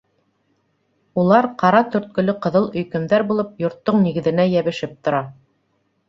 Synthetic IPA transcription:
ulˠɑɾqɑɾɑt̪ɵ̆ɾt̪̚kɵ̆lɵqɤ̆ðɤlˠɵ̆jkɵ̆mðæɾbulˠɤp̚jŏɾt̪ːoɴniɡɘ̆ðɘ̆næjæβɘ̆ʃɘp̚t̪ŏɾɑ

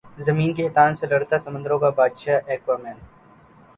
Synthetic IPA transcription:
zɐmiːnket̪aːnselɐɽt̪asɐmə̃nd̪əɾõkabaːd̪ʃaːʔeːkʋaːmẽɳʈ

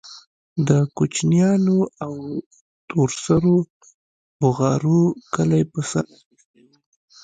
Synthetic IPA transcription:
d̪əkut͡ʃnjɑnoaw | t̪oɾsaɾo | bʊɣɑɾukəlajpəsa̰ɾ

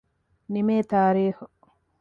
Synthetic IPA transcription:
nimeːt̪aːɾiːhu

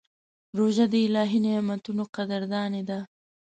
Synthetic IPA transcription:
ɾoʒad̪əɪlɑːɦinemat̪unoqad̪əɾd̪ɑːned̪a

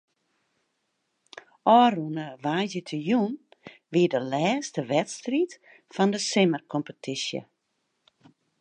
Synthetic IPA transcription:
ɔːrunəʋaːzjətʰəjun | ʋiədəlɛːstəʋɛtstrit | fɔndəsɪmərkʰɔmpətʰisjə̰

